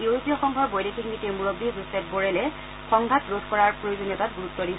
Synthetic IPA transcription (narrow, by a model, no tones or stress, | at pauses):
juɹopijɔxɔŋɡʱɔɹbojdekʰikmitemuɹobːizusɛp̚boɹɛlɛ | xɔŋɡʱatɹodʱkɔɹaɹpɹojozoniɔtatɡuɹutːɔdis